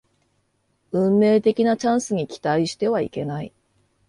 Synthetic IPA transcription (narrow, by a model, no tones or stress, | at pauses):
ɯ̟̃mːe̞ːt̪e̞kʲinat͡ɕãɰ̃sɨɲ̟ikʲi̥t̪aiɕi̥t̪e̞β̞aḭke̞nai